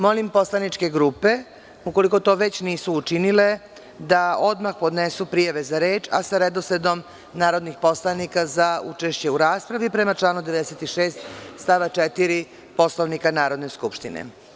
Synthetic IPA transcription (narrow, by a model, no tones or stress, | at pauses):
mo̞limpo̞slˠanit͡ʃke̞ɡɾuːpe̞ | uko̞liko̞t̪o̞ːʋe̞t͡ɕniːsuːt͡ʃinile̞ | d̪ao̞d̪maxpo̞d̪nesupɾijaʋe̞zaɾeːt͡ʃa̰saɾed̪osed̪o̞m | naːɾo̞d̪nixpo̞slanikazaut͡ʃe̞ʃt͡ɕe̞uɾaːspɾaʋipɾe̞mat͡ʃlaːnud̪e̞ʋe̞d̪eset̪iʃeːst̪st̪aːʋat͡ʃet̪iɾi | po̞sloʋnikanaːɾo̞d̪ne̞skupʃt̪inḛ